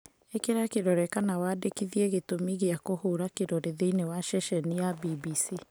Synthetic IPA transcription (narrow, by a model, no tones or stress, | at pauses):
ekeɾakeɾɔɾɛkanawaːdekiðieɣetomiɣeakohoːɾakeɾɔɾeðeinewaʃɛʃɛnijabibiːsi